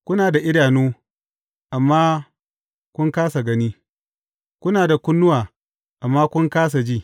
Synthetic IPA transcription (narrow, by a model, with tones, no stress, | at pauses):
kʷʊ˦naː˨da˨ʔɪ˦ɽaː˨nuː˦ | ʔa˨mːaː˦ | kʷʊ˦ŋkaː˦sa˨ɡɐ˦niː˦ | kʷʊ˦naː˨da˨kʷʊ˦nːʊ˦waː˨ | ʔa˨mːaː˦kʷʊ˦ŋkaː˦s̬a˨d͡ʒiː˦˨